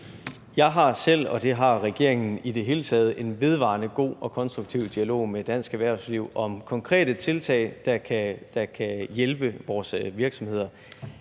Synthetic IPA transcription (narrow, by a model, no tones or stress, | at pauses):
jɑ̈ɪɦɑ̈sel̰ɒ̽d̥e̝ɦɑ̈ʁɛɡ̥e̝ɐ̰e̝ŋn̩id̥e̝ɦe̝ːlət͡sʰɛːð̞ˠʔe̝nʋe̝ð̞ˠʋɑ̰̈nəɡ̥o̝̰ːɒ̽kʰɒ̽nsd̥ʁuɡ̥̚t͡sʰiʊ̰d̥iælo̝̰ːmed̥æn̰sɡ̥æʋæɐ̰sliʊɒ̽mkʰɒ̽ŋkʰʁɛ̰ːɾ̥ət͡sʰe̝lt͡sʰɛ̰ɪd̥ɑ̈kʰæd̥ɑ̈kʰæjelb̥əʋɒːsʋiɐɡ̥sɒ̽mhe̝ð̞̰ˠɐ